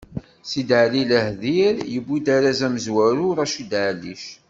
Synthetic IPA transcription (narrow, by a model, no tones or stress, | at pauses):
sid̪ʕlilæhðiɾjəbːid̪aɾazæməzwæɾuɾɑʃid̪ʕlːḭʃ